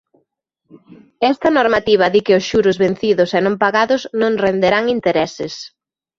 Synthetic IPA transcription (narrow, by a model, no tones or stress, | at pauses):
ɛst̪ɐnoɾmat̪iβ̞ɐðikɪʊsʃuɾʊzβen̟θiðʊsɛnõmpaɣaðʊznõŋrend̪eɾaŋint̪eɾɛsɪs